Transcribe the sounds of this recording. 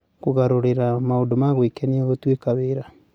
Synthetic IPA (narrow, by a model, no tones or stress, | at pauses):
koɣaɾoɾeɾamaodomaɣwekɛniaɣotwekaβeɾa